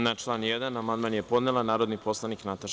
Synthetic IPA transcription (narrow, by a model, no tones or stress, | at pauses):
nat͡ʂlˠaːnjed̪anamand̪maːnjepo̞d̪nelanaːɾod̪nipo̞slˠaniknat̪aʃ